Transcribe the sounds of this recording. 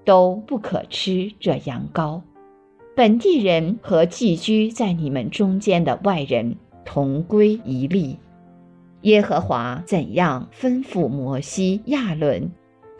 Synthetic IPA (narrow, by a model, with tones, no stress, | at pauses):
t̪o˥ʊpu˥˩kʰɤ̰˨˩ʈ͡ʂ̩ʰ˥ʈ͡ʂɤ˥˩jɑ̰˧˥ŋkɑ˥ʊ | pə˨˩nt̪i˥˩ɻə˧˥nxɤ˧˥t͡ɕi˥˩t͡ɕy˥t͡sa˥˩ɪni˨˩mə˧˦nʈ͡ʂʊ˥ŋt͡ɕjɛ˥nd̪ə̰˨wa˥˩ɪɻə̰˧˥n | t̪ʰʊ˧˥ŋkwe˥ɪi˧˥li˥˩ | jɛ˥xɤ˧˥xwa̰˧˥t͡sə˨˩njɑ˥˩ŋfə˥nfu˥˩mwɔ˧˥ɕi˥ja˥˩lwə̰˥˩n